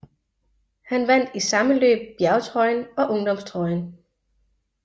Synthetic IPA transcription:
hænʋæn̰d̥isɑ̈məlø̰ːb̥̚jæɐt͡sʰʁɒ̽ɪnɒ̽ʔɔ̽ŋd̥ɒ̽mst͡sʰʁɒɪn

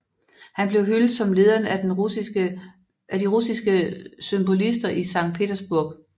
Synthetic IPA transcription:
hænb̥le̝ʊɦyld̥ˠsɒ̽mle̝ːð̞ˠɐn | æd̥iʁusisɡ̥əsymb̥o̝lisd̥ɐʔisɑ̈ŋ̰̥̚pʰe̝ːdɐsb̥uɐ̰ɡ̥

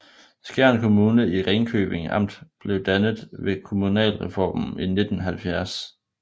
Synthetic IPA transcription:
sɡ̥æɐnkʰo̝muːnəiʁeŋkʰø̰ːb̥e̝ŋɑ̈m̰d̥b̥le̝ʊd̥ænð̩ˠʋe̝kʰo̝munɛ̰ːlʁɛfɒ̰ːmm̩ine̝d̥n̩ɦælfjæɐs

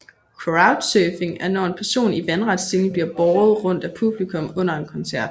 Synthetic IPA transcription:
kʰoäʊd̥søːfe̝ŋæɐnɒe̝npʰæɐso̝̰ːniʋænʁɑ̈d̥sd̥elŋ̩bliɐb̥ɒːð̞̩ˠʁɔ̽n̰d̥æpʰub̥likʰɔ̽mɔ̽n̰ɐe̝nkʰɒ̽nsæɐ̰d̥

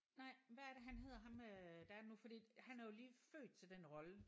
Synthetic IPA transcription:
nɑ̈ɪ̰ʋææɐɾeɦænɦe̝ð̞̰ˠɐɦɑ̈mød̥ææɐdenufɒd̥ḭːhænæɐjo̝liːfø̰ːd̥̚t͡sʰe̝ld̥enʁɒ̽lə

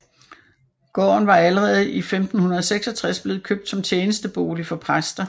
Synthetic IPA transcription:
ɡ̥ɒ̰ːnʋɑ̈æləʁɛːð̞̩ˠʔifemd̥n̩hunɐðˠɒseɡ̥sɒ̽t͡sʰʁasb̥le̝ːð̩ˠkʰøb̥̚d̥sɒ̽mt͡sʰjeːnəsd̥əb̥o̝̰ːlifɒ̽pʰʁasd̥ɐ

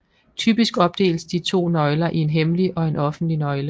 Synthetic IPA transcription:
t͡sʰyːb̥isɡ̥ɒ̽b̥̚d̥e̝̰ːlsd̥it͡sʰo̝̰ːnɒ̽ɪlɐʔie̝nɦemliʔɒ̽e̝nɒ̽fn̩d̥linɒ̽ɪlə

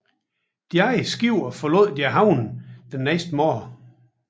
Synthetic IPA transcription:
d̥jɑɪsɡ̥iʊ̰ɒfɒlo̰ð̰ˠd̥jæɦɑ̈ʊnd̥enːesd̥əmɒ̰ː

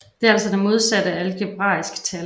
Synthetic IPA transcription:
d̥e̝ælsɒd̥emo̝ð̞ˠsæd̥əæləɡ̥ʰe̝b̥ʁɑ̰̈ːisɡ̥ə̥t͡sʰæl

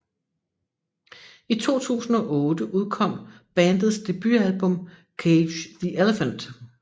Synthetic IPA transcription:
it͡sʰo̝̰ːt͡sʰṵːsn̩ɒ̽ʔɔːd̥əʔuð̞ˠkʰɒ̽m̰b̥ænd̥ð̩ˠsd̥e̝b̥yælb̥ɔ̽m | kʰe̥ð̥iʔeləfənd̥

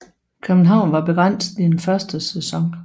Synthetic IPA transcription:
kʰøb̥n̩ɦɑ̈ʊ̰nʋɑ̈b̥e̝ɡ̥ʁɑn̰sd̥̩ˠienfɶɐsd̥əsɛsɒ̽ŋ

